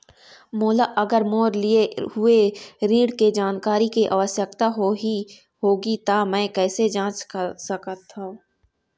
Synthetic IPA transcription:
moːlaːʔɐɡəɾmoːɾlɪeɦʊeɾiːɽked͡ʒaːnkaːɾikeʔaːʋəsjəkt̪aɦoi | ɦoːɡit̪amɛ̃ːkɛːsed͡ʒãːt͡ʃsəkət̪ʰːãː

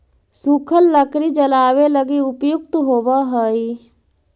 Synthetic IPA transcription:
sukʰəlːəkɾid͡ʒəlaːweləɡiʊpjʊk̚t̪ɦoːbaɦəi

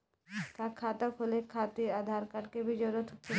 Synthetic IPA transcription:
kakʰat̪əkɦolekʰat̪iɾad̪ʱaɾkaʈkebid͡ʒɔɾot̪ʰk

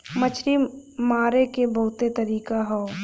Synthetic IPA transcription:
mɐt͡ʃʰɾimaːɾekebɐɦʊt̪et̪ɐɾiːkaɦoː

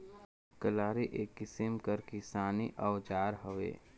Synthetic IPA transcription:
kəlaːɾiʔekːɪsɪmkəɾkɪsaːniʔɔwd͡ʒaːɾɦəʋḛː

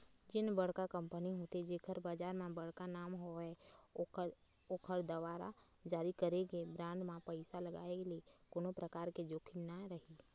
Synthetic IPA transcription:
d͡ʒɪnbəɽ̤kakə̃mpəniɦot̪ed͡ʒeːkʰəɾbaːd͡ʒaːɾmãbəɽ̤kanaːmɦoɛ | oːkʰəɽd̪ɐʋaːɾa̰ | d͡ʒaːɾikəɾeɡebɾãːɳɖmãpəɪsaləɡa̰ːekeliekoːnõpɾəkaːɾked͡ʒoːkʰɪmnaɾəɦiː

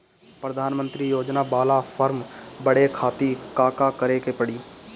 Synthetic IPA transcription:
pɾɐd̪ʱaːnmə̃nt̪ɾijoːd͡ʒnabaːlapʰəɾmbəɽekʰaːt̪ikaːkakəɾekepəɽiː

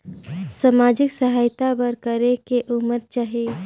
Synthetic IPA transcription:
samaːd͡ʒɪksəɦaːjt̪abəɾkəɾekeʔʊməɾt͡ʃaɦe

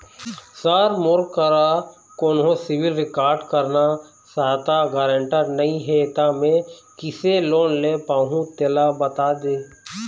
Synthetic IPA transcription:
səːɾmʊɾkəɾa | koːnɦõsɪʋɪlɾɪkaːɾɖkəɾna | saːt̪aɡaɾə̃ɳʈəɾnɐĩɦet̪amẽkɪseloːnleːpaːɦũt̪elabət̪ad̪eː

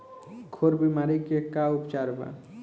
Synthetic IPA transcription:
kʰoːɾbimaːɾikekaʊpt͡ʃaːɾba̰

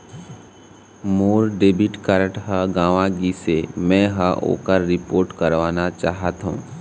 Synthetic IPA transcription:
moːɾɖeːbʱɪʈkəɾəʈɦəɡãːʋãɡisemɛ̃ːɦəʔo̰ːkəɾɾɪpoːɾʈkəɾʋaːnat͡ʃaːɦət̪ɦṵ̃ː

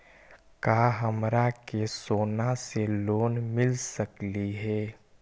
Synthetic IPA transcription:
kaːɦəmɾakesoːnaseloːnmɪlsəkliɦɛː

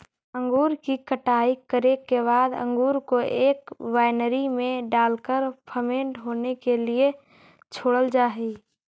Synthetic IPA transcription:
ə̃ŋɡuːɾkikəʈaːikːəɾekebaːd̪ə̰̃ŋɡuːɾkoʔeːkʋaːɪnɾimẽɖaːlkəɾpʰəmẽːɳʈɦoːnekelie | t͡ʃʰoːɽəld͡ʒaːɦe

